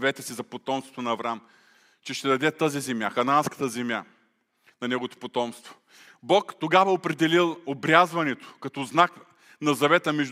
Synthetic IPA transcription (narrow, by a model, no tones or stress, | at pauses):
vɛt̪əsizɐpot̪ɔmst̪vo̥t̪onɐːvɾam | t͡ʃɛʃt̪ɛd̪ɐd̪ɛt̪əzizɛmjaxɐnanskə̥t̪əzɛmʲja | nɐnɛɡovot̪o̥pot̪ɔmst̪vo̥ | bɔkt̪oɡavɐopɾɛd̪ɛlilˠobɾʲjazvɐnɛt̪o̥kɐt̪ɔznak | nɐzɐvɛt̪əmɛʒd̪